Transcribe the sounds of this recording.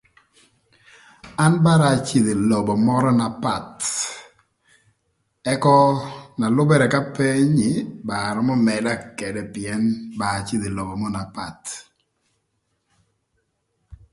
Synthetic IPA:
a˦nba˦ɾa˨t͡ʃi˦˨d̪e˨lɔ˨bɔ˨mɔ˦ɾɔ˦na˨pa˦˨t | ɛ˦kɔ˦na˨lʊ˦bɛ˦ɾɛ˨ka˦pe˦ɲɪ˨˦ba˨ɾɔ˦mɔ˦mɛ˨da˦kɛ˨dɛ˨pɪɛ˦nba˨t͡ʃɪ˦d̪e˨lɔ˨bɔ˨mɔ˦na˨pa˨t

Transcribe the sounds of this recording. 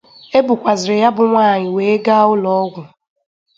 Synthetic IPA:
e˦bʊ˨kʷa˨zɪ˨ɾɪ˨ja˦bʊ˨ŋʷaː˦˨ɲɪ˨we˨e˦ɡa˦ʊ˦lɔ˦ɔ˦ɡʷʊ˨

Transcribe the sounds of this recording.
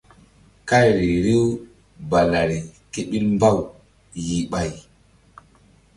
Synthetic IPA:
ka˦jɾi˨ɾi˦w | ba˨la˨ɾi˨ke˦ɓi˦lmba˦˨w | ji˨ɓa˦˨j

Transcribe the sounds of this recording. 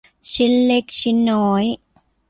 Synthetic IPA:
t͡ɕʰi˧˥nle˧˥k̚t͡ɕi˧˥nːɔː˨˩˦j

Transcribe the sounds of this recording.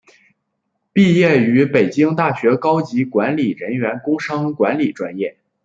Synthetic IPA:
pi˥˧jɛ˥˩y˧˥pe˨˩ɪt͡ɕi˥ŋt̪a˥˩ɕɥɛ˧˥kɑ˥ʊt͡ɕi˧˥kwa˧˥nli˨˩ɻə˧˥nɥɛ˧˥nkʊ˥ŋʂɑ˥ŋkwa˧˥nli˨˩ʈ͡ʂwa˥njɛ˥˩

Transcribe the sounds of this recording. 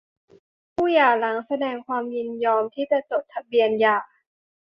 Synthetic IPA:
pʰuː˥˩jaː˨˩la˩˦ŋsa˧dɛː˧ŋkʰwaː˧mji˧njɔː˧mt̪ʰiː˥˩t͡ɕa˨˩t͡ɕo˨˩t̚t̪ʰːa˧bi˧ənjaː˨˩

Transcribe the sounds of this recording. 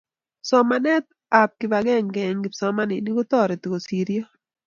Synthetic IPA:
sɔ˦manɛ˦t̪̚ | a˨p̚kɪ˨baɡɛ˦ŋɡɛ˨ŋɡɪ˨sɔ˦ma˦nɪ˨ni˦ɡo˦t̪ɔ˦ɾɛ˨t̪ɡo˨si˨ɾjo˦

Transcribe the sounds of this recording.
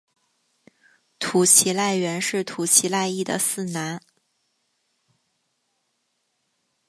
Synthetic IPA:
t̪ʰu˨˩t͡ɕʰi˧˥la˥˩ɪɥɛ˧˥nʂɻ̩˥˩t̪ʰu˨˩t͡ɕʰi˧˥la˥˧ɪi˥˩d̪ə̰˩sɹ̩˥˩na˧˥n

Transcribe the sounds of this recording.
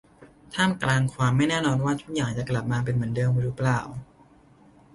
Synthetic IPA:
t̪ʰaː˥˩mklaː˧ŋkʰwaː˧mːa˥˩jnɛː˥˩nɔː˧nwaː˥˩t̪ʰu˦˥˩k̚jaː˨˩ŋt͡ɕa˨˩kla˨˩p̚maː˧p̬e˧nmɯ˩˦ndɤː˧ŋwa˧ɾuː˦˥plaː˨˩w

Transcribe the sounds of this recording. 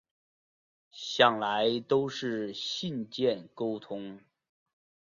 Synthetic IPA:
ɕjɑ˨˩ŋla˧˥ɪt̪o˥ʊʂɻ̩˥˩ɕi˥˧nt͡ɕjɛ˥˩nko˥ʊt̪ʰʊ˥ŋ

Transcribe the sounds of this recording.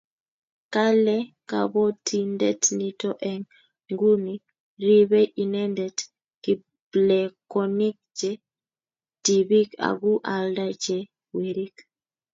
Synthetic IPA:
ka˦lɛka̰˨bɔ˦tʰi˦ndɛ˦tni˦tɔʔɛ˨ŋ | ŋɡu˦ni | ɾi˦βɛ˦ʔi˨nɛ˦ndɛt | ki˨ | blɛkɔni˦k̚d͡ʒɛ˦ | d̥i˨βi˦ka̰˨ɡu˦ʔa˨lda˦d͡ʒɛ˨ | we˨ɾi˦k

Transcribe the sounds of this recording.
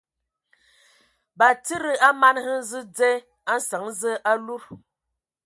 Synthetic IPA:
ba˨t͡sɨ˦ɾɨ˨a˦ma˦nhɨ˦n˦zɨ˦d͡ze˦ | a˦n˦sa˨˦ŋ˦zə˦ʔa˦lu˦

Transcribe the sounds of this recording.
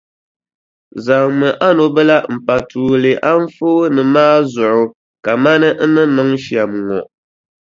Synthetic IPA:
za˨ŋmɨ˨ʔa˦no˨bɛ˦la˦m̩˨pa˨tuː˨le˨ʔa˦ɱ̩˦foː˦nɨ˨maː˦zʊ˨ʔʊ˨ | ka˨ma˦nɨ˦nɨ˦nɔ˦ŋʃja˨m˨ŋɔ̰˨ʔ

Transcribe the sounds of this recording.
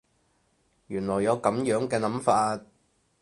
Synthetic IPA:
jyː˨˩nlɔː˨˩jɐ˨˧wkɐ˨˥mjœː˨˥ŋkɛː˧nɐ˨˥mfaː˧t̚

